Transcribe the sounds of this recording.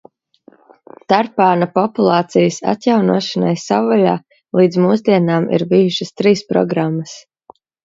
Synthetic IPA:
t̪aɾpaːnapɔpulˠɑːt̪sijəsa̰t̪jawnuɔʃanajsawala̰ː | lˠiːd̪zmuːzd̪iɛnaːmḭɾbijuʃəst̪ɾiːspɾɔ̰ɡɾamːɐs

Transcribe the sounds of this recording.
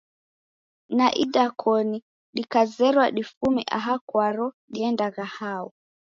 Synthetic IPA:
naʔiɗakʰɔni | ɗikazɛɾwaɗifumiʔa̰ɦakwaɾɔ | ɗiɛndaɣahaɔ

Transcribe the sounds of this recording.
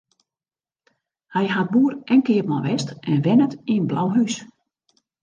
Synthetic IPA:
hɛjɦat̚buːərɛnkɪəpmɔʋɛstɛnʋɛnətiənblawɦys

